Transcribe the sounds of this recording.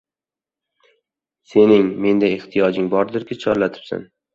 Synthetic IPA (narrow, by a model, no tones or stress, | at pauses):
se̞nɪŋme̞nd̪aeht̪ʰijɒd͡ʒɪŋbɒɾd̪ɪɾkʲɪt͡ʃʰɒɾlat̪ʰɪ̥psa̰n